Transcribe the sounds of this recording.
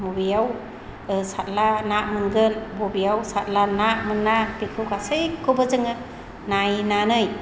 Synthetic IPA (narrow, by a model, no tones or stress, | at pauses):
mubijaw | sat̚lanaʔmɯnɡɯnbɔbijawsat̚lanaʔmɯnːapikʰɯwkasɯjkʰɔbəzɯŋɯ | najnanɯj